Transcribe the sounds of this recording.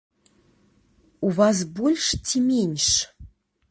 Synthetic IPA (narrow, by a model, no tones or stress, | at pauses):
uvas̬bolʲʂtʰʲemʲenʲʂ